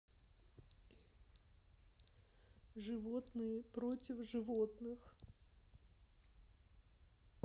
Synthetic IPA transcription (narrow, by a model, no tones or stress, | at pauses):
ʐɨvot̪nɨjɪpɾotʲɪfʐɨvot̪nɨx